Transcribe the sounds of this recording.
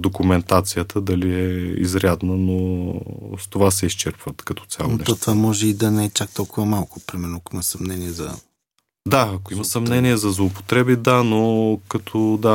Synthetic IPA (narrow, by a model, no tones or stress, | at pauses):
d̪okʊmɛnt̪at̪sijət̪ʰəd̪ɐliɛḭzɾʲjad̪nəno | st̪ovasɛist͡ʃɛɾpvət̪kɐt̪ɔ̥t̪sʲja̰lˠɛt̪ɔt̪vamɔʒɛid̪ɐnɛɛt͡ʃak̚t̪ɔlˠkʊvɐmalˠkʊpɾimɛɾnʊakʊimɐsɐmnɛniɛzɐ̰ | d̪aɐkoimɐsɐmnɛniɛzɐzlˠoːpo̥t̪ɾɛbid̪anokɐt̪ʰɔd̪a